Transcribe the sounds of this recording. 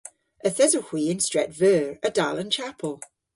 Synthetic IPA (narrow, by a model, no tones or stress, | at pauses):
əθɛzəhw̥iːɪ̃nstɹ̥ɛtvɜːɹədalˠə̃nt͡ʃʰapʰəlˠ